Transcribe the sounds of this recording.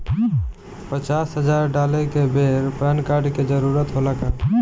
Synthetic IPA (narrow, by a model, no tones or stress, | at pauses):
pət͡ʃasɦəd͡ʒaɾɖalekebʱeɾpɛnkaɾɖked͡ʒəɾuɾət̪ɦolaka